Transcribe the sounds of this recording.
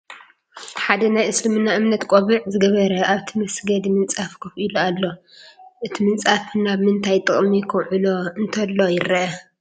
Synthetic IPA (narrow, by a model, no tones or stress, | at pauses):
ħad̪ɐnajʔɨslɨmɨnːaʔɨmnɐt̪kʼoβɨʕzɨɡɐβɐɾɐʔaβt̪ʰimɐsɡɐd̪imɨnt͡sʼafkʰɐfʔilualːo̞ | ʔɨt̪ʰimɨnt͡sʼafnaβmɨnt̪ʰajt̪ʼɨχʼmikʰɐwʕɨloɨnt̪ʰɐlːo̞jɪɾɐʔɐ